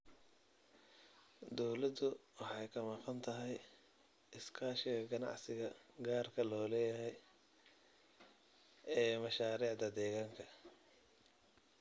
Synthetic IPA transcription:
d̪ɔwlɐd̪ʊwɑħɑjkʰɐmɑqɑnt̪ʰɐɦɛj | ɪskʰaːʃɪɣɐɡɐnɑ̰ʕsɪɣɐɡaːrkʰɐlɔːlɛːjɐɦɛj | ɛːmɐʃaːɾiːʕd̪ɐd̪ɛːɣaːŋkʰɐ

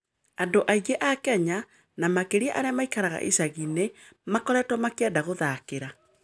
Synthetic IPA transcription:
andoʔaiɣeʔakɛɲa | namakeɾiaʔaɾeamaikaɾaɣa̰ʔisaɣine | makɔɾɛtwɔmakɛdaɣoðakeɾa

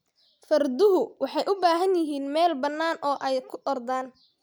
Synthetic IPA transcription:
fɐrd̪ʊɦʊwɑħɑjʔʊbaːɦɐnjɪɦiːnmɛːlbɐnːaːnʔɔːʔɛjkʰʊʔɔrd̪aːn

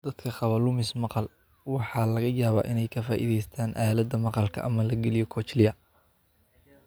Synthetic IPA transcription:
d̪̥ɐd̪̥kʰɐχɑβɐlʊmɪsmɑqɑl | wɑħɑːlɐɣɐjaːβa̰ːʔɪnɛjkʰɐfaːʔḭːðɛjst̪ʰaːnʔaːlɐd̪ɐmɑqɑlkʰɐ̰ʔɐmɐlɐɡɛlɪjɔkʰɔːt͡ʃlɪjɐ

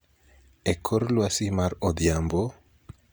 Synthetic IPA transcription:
ekʰoɾlwasimaɾod̪jambo

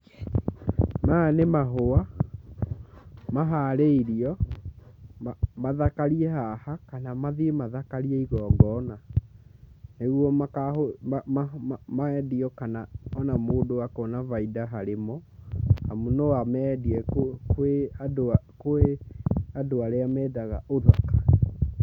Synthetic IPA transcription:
manemaɦoa | maɦaɾeiɾiɔ | mmaðakaɾiɛhahakanamaðiemaðakaɾiɛiɣɔːŋɡɔna | neɣwɔmakao | maɛdiɔkanaɔnamoːdowakɔnavaidaɦaɾemɔha̰munɔamɛdiɛkokeadoakoeadoaɾeamɛːdaɣa̰oðakḁ

